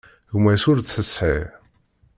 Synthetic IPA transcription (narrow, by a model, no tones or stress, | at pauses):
ɣmæsʊɾθəsħi